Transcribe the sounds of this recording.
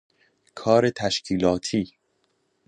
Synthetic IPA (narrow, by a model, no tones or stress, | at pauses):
kʰɒːɾe̞t̪ʰæʃcʰiːlɒːt̪ʰiː